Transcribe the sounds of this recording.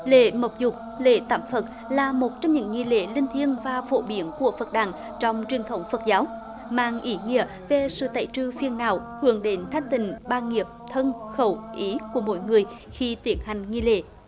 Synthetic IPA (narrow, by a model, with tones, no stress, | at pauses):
lḛ˧˨mə˨˩wk͡p̚zʊ˨˩k͡p̚ | lḛ˧˨t̪aː˧˩mfə˨˩t̚ | laː˨˩mo˨˩t̚t͡ɕɔ˧wŋ͡mɲɨ̰˧˥˦ŋŋi˧lḛ˧˩lï˧ŋ̟t̪ʰi˧ənvaː˨˩vo̰˧˨ɓi˨˦ənku˧˩əfə˨˩t̚ɗa̰ː˧˩ŋ | t͡ɕɔ˧wŋ͡mt͡ɕwi˨˩ənt̪ʰə˨˦wŋ͡mfə˨˩t̚zaː˨˦w | ma̰ː˧˨ŋʔi˨˩˦ŋḭ˧˨ə | ve˨˩sɨ̰˧˨t̪a̰ː˧˨jt͡ɕɨ˧fi˧ənːaː˧˨˩whɨ̰˧˩əŋɗe˨˦nt̪ʰa˦˥jŋ̟t̪ï˨˩ŋ̟ɓaː˧nŋi˨˩əp̚t̪ʰə˧nxə˧˩wʔi˨˦ku˧˩əmo̰˧˥jŋɨ˨˩əj | xi˧t̪i˨˩ənha˨˩jŋ̟ŋi˧lḛ˧˩˨